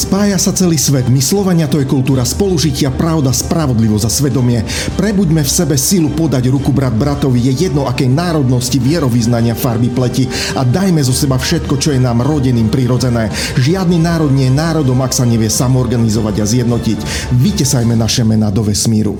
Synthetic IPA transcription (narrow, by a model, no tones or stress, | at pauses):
spaːjasat͡sɛliːsʋɛd̪mislɔʋaɲɪat̪ɔjɛkult̪uːɾaspɔluʒicɪapɾaʊd̪aspɾaʋɔd̪liʋɔzasʋɛd̪ɔmɪɛ | pɾɛbuɟmɛfsɛbɛsilupɔd̪aɟɾukubɾad̪̚bɾat̪ɔʋijɛjɛd̪nɔʔakɛjnaːɾɔd̪nɔsciʋɪɛɾɔʋiznaɲɪafaɾbiplɛci | ad̪ajmɛzɔsɛbafʃɛt̪̚kɔt͡ʃɔjɛnaːmɾɔɟɛniːmpɾiɾɔd͡zɛnɛː | ʒɪad̪nimnaːɾɔd̪̚ɲɪɛjɛnaːɾɔd̪ɔmaksaɲɛʋɪɛsamɔɔɾɡanizɔʋaɟazjɛd̪nɔcic | ʋicɛsajmɛnaʃɛmɛnad̪ɔʋɛsmiːɾṵ